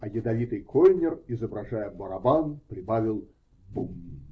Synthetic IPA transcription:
ɐjɪd̪ɐvʲit̪ɨjkʰolʲnʲɪrɪzəbɾɐʐajəbəɾɐbanpɾʲɪbavʲɪlˠ | bumː

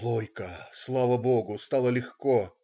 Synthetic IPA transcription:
lˠojkəslˠavəboɡʊst̪ɑlˠəlʲɪxko

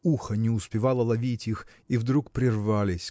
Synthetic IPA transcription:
uxənʲɪʊspʲɪvɑlˠəlˠɐvʲitʲix | ivd̪ɾukpɾʲɪrvalʲɪsʲ

